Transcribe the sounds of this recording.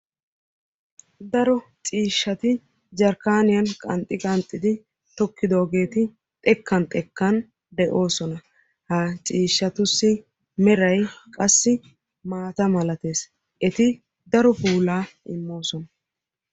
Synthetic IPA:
d̪ɐɾɔt͡ʃʼiːʃːɐt̪ɪ | d͡ʒɐɾkaːnɪjɐnkʼɐnt̪ʼːɪkʼɐnt̪ʼːɪd̪ɪ | t̪ɔkːɪd̪oːɡe̞ːt̪ɪ | t̪ʼɛkʰːɐnt̪ʼɛkːɐn | d̪ɛʔo̞ːsɔnɐ | hɐt͡ʃʼiːʃːɐt̪ʊsːɪ | mɛɾɐjkʼɐsːɪ | maːt̪ɐmɐlɐt̪e̞ːs | ʔɛt̪ɪ | d̪ɐɾɔpuːlaːɪ̰mːo̞ːsɔnɐ

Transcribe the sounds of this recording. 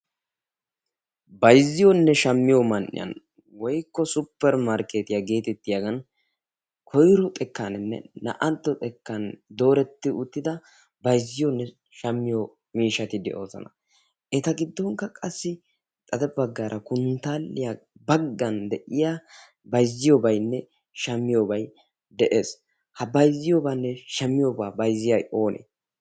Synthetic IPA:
bɐjzːɪjɔnːɛʃɐmːɪjɔmɐnʔɪ̰jɐ̰n | wɔjkːɔsʊpːɛɾmaɾkeːt̪ɪjaɡe̞ːt̪ɛt̪ːɪjɐɡɐn | kʰɔjɾʊt̪ʼɛkːanɛnːɛ̰nɐ̰ʔɐnt̪ːɔt̪ʼɛkːɐnd̪o̞ːɾɛt̪ːɪʊt̪ːɪd̪ɐ | bɐjzːɪjɔnːɛ | ʃɐmːɪjɔ | miːʃɐt̪ɪd̪ɛ̰ʔo̞ːzɐ̰nɐ | ʔɛt̪ɐɡɪd̪ːɔŋkːɐkʼɐsːɪ | t̪ʼɐd̪ɛbɐɡːaːɾʔɐkʊnt̪aːlːɪjabɐɡːɐnd̪ɛʔɪja | bɐjzɪjobɐjnːɛ | ʃɐmːɪjoːbɐj | d̪ɛʔeːs | hɐbɐjzɪjoːbaːnːɛʃɐmːɪjoːbaːbɐjzɪjɐjo̞ːnʔḛ

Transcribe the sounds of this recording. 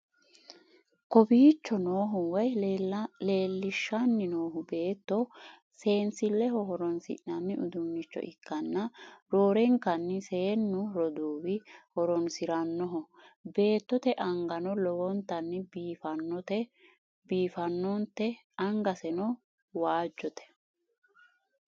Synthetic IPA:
kɔbiːt͡ʃːɔnoːɦʊwɔj | le̞ːlːɪʃːɐnːɪnoːɦʊbe̞ːt̪ːɔ | se̞ːnsɪlːɛhɔhɔɾɔnsɪ̰ʔnɐnːɪʔʊd̪ʊnːɪt͡ʃːɔ̰ʔɪkːɐnːɐɾoːɾɛŋkɐnːɪseːnːʊɾɔd̪uːbɪhɔɾɔnsɪɾɐnːɔɦɔ | be̞ːt̪ːɔt̪ɛʔɐŋɡɐnɔlɔwɔnt̪ːɐnːɪbiːfɐnːɔt̪ɛ | biːfɐnːɔnt̪ɛ | ɐŋɡɐsɛnɔ | waːd͡ʒːɔt̪ɛ̥

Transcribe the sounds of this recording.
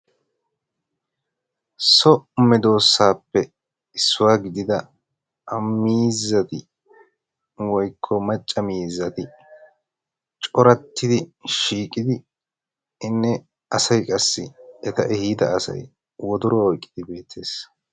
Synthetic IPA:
sɔmɛd̪o̞ːsːaːpːɛ | ɪsːʊwaːɡɪd̪ɪd̪ɐ | ʔɐmːiːzːɐt̪ɪ | wɔjkʰːɔmɐt͡ʃʼːɐmiːzːɐt̪ɪ | t͡ʃʼɔɾɐt̪ːɪd̪ɪʃiːkʼːɪd̪ɪ | ɪnːɛ | ɐsɐjkʼɐsːɪɛt̪ɐʔɛhiːd̪ɐ̰ːsɐ̰j | wɔd̪ʊɾɔɔjkʼːɪd̪ɪbe̞ːt̪ʰːe̞ːs

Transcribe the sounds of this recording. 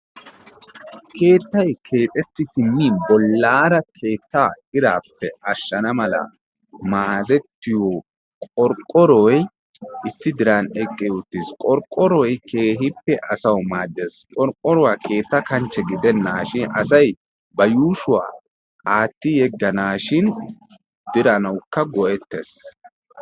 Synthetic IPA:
kʰe̞ːt̪ːɐjkʰe̞ːt̪ʼɛt̪ːɪsɪmːibɔlːaːɾɐkʰe̞ːt̪ːaː | ɪɾaːpːɛʔɐʃːɐnɐmɐlɐ̰ | maːd̪ɛt̪ːɪjɔ | kʼɔɾkʼːɔɾɔj | ʔɪsːɪd̪ɪɾanɛkʼːɪʊt̪ːɪskʼɔɾkʼːɔɾɔjkʰe̞ːɦɪpːɛʔɐsɐwmaːd̪ːeskʼɔɾkʼːɔɾɔwaːkʰe̞ːt̪ːɐkɐnt͡ʃːɛɡɪd̪ɛnːaːʃɪnɐ̰sɐj | bɐjuːʃʊwa̰ː | aːt̪ːɪjɛɡːɐnaːʃɪn | d̪̥ɪɾɐnɐwkːɐɡɔʔɛt̪ːḛs

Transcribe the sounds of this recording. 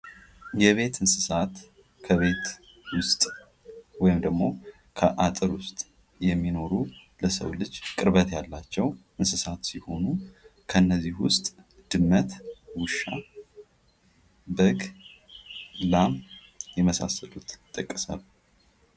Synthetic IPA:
jɛβe̞t̪ʰɨnsɨsat̪ | kʰəβe̞t̪ | wʊst̪ʼ | wɔjɪmd̪əɡmo̞ | kʰəʔat̪ʼɨɾwʊst̪ʼ | jɛmːino̞ɾuləsə̰wlɨd͡ʒkʼɨɾβət̪jalːat͡ʃːɛwʔɨnsɨsat̪siho̞nukʰəɨnːəzːihwʊst̪ʼ | d̪̥ɨmːət̪wʊʃːa̰ | bəɡ | lamjɛməsa̰sːəlut̪t̪ʼːəkʼːəsa̰β

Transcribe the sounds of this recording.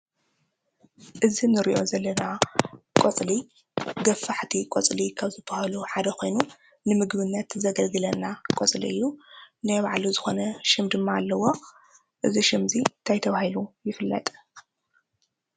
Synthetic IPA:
ʔɨzinɨɾḭʔo̞zɐlːɐnakʼot͡sʼli | ɡɐfaħt̪ʰikʼot͡sʼlikʰaβzɨbɐhaluħad̪ɐko̞jnu | nɨmɨɡβɨnːɐt̪zɐɡɐlɡɨlɐnːakʼot͡sʼlḭɨjːunajβaʕluzɨxonɐʃɪmd̪ɨmːaːlːɐwo̞ | ʔɨziʃɪmzint̪ʰajt̪ʰɐβahilujɪfɨlːɐ̰t̪ʼ

